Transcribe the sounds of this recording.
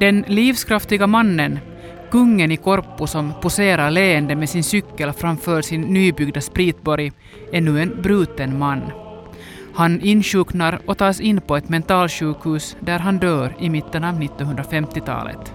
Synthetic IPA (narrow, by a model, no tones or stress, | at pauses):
d̪̥ɛnliːfskʰɾaft̪ɪɡamanːən | kɵŋːənɪkʰɔɾpʊsɔmpʊseːɾaɾleːənd̪əmɛsɪnsʏkːəlfɾamfœːʂɪnːyːbʏɡd̪aspɾiːt̪̚bɔɾj | æɳʉːɛnbɾʉːt̪ənmanː | hanɪnɕʉːknaɾɔt̪ʰɑːsɪnːpʰɔɛt̪mɛnt̪ɑːlɕʉːkhʉːsd̪æɾɦand̪øːɾɪmɪt̪ːənɑːvnɪt̪ːɔnhɵnd̪ɾafɛmt̪ɪt̪ʰɑ̰ːlə̰t̪